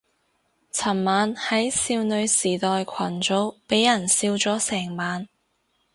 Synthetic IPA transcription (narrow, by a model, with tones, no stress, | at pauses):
t͡sʰɐ˨˩mmaː˨˧nhɐ˨˥jsiː˧wnɵ˨˧ɥsiː˨˩t̪ɔː˨jkʷʰɐ˨˩nt͡so˨˥wpe˨˥jːɐ˨˩nsiː˧wt͡sɔː˨˥sɛː˨˩ŋmaː˨˧n